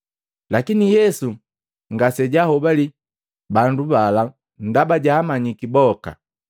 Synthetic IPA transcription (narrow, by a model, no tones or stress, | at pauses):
lakinijɛsu | ŋɡasɛɟahɔbali | bandubala | n̩dabaɟaːmaɲikibɔka̰